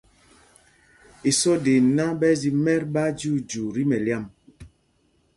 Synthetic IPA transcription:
i˨sɔ˦de˨na˦bɛ˦zi˨mɛ˦ɾba˦d͡ʒu˦d͡ʒu˨ɾi˦mɛ˨lja˦˨m

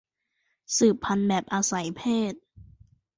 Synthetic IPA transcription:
sɯː˨˩pʰːa˧nbɛː˨˩p̚ʔaː˧sa˩˦jpʰeː˥˩t̪̚

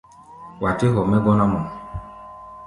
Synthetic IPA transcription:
wa˨te˦ɦɔ˨mɛ˦ɡɔ˦na˦mɔ˨

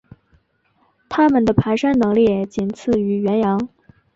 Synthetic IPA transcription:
t̪ʰa˥mə˨nd̪ə˩pʰa˧˥ɪʂa˥nnɤ˧˥ŋli˥˩˨t͡ɕi˨˩nt͡sʰɹ̩˥˩y˧˥ɥɛ˧˥njɑ˧˥ŋ

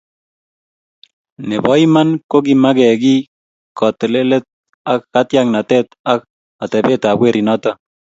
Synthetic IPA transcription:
nɛ˨bɔ˨˦ima˦nko˦ɡi˨ma˦ɡɛ˨ɡi˦ | kɔ˨t̪e˨le˦le˦t̪̚ | a˦kːat̪ja˦ŋna˨t̪ɛt̪a˦k | at̪ɛ˨bɛ˦t̪a˨bwe˦ɾʔi˨nɔ˦t̪a˦

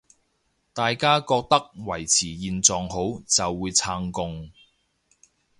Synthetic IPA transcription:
t̪aː˨jkaː˥kɔː˧k̚t̪ɐ˥k̚wɐ˨˩jt͡sʰiː˨˩jiː˨nt͡sɔː˨ŋɦo˨˥wt͡sɐ˨wːuː˨˧jt͡sʰaː˧ŋkʊ˧ŋ

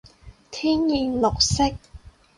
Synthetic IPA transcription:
t̪ʰiː˥njiː˨˧nlʊ˨k̚sɪ˥k̚

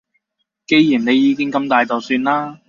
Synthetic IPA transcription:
ke˨˧jjiː˨˩nne˨˧jːiː˧kɪ˥ŋkɐ˨˧mt̪aː˨jt̪o˨wsyː˧nlaː˥

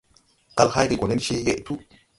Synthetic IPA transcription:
ka˧lha˦jki˧ɡo˨ne˦nʃe˧je˦ʔtu˦

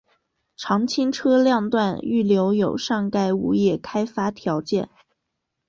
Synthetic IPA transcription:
ʈ͡ʂʰɑ˧˥ŋt͡ɕʰi˥ŋʈ͡ʂʰɤ˥ljɑ˥˧ŋt̪wa˥˧ny˥˩ljo˧˥ʊjo˨˩ʊʂɑ˥˧ŋka˥˩ɪṵ˧˥jɛ˥˩kʰa˥ɪfa˥t̪ʰjɑ˧˥ʊt͡ɕjɛ̰˥˩n

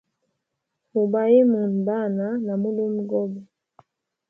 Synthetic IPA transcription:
hu˨ba˨je˦mu˨n˨ba˦˨na˨˦na˨mu˦li˦m̩˦ɡɔ˦bɛ˨

